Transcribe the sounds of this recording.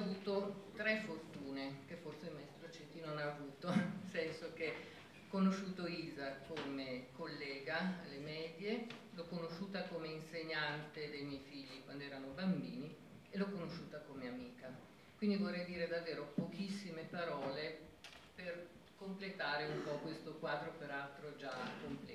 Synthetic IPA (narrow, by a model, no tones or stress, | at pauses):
vuːt̪ot̪ɾɛfort̪uːnek̟efːorsemaɛst̪ɾot͡ʃet̪ːinonaːvuːt̪onelsɛnsok̟e | kːonoʃːuːt̪oiːzakʰomekolːɛːɡalemɛːd̪jelokːonoʃuːt̪akomeinseɲant̪ed̪ejmjɛjfiʎːikwand̪oɛːɾanobambiːni | elokonoʃːuːt̪akomeamiːka | kwind̪ivorːɛjd̪iːɾed̪avːeːɾopokisːimepaɾɔːle | per | komplet̪aːɾeumpɔkwest̪okwaːd̪ɾopeɾalt̪ɾod͡ʒakːomplɛ̰